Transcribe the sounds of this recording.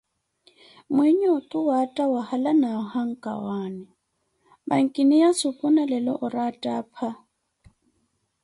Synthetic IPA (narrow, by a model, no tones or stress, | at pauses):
mwɛɲɔtʼuwatʼawahalanahaŋ̩kʼa̰waːnɛ | ma̰ŋ̩kʼinijasupʼunalɛlɔʔʊɾatʼaːpʰa